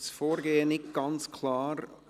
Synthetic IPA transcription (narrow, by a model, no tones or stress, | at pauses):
sfoːɾɡeːənɪt̚ɡ̥ɑnt͡skʰlɑːɾ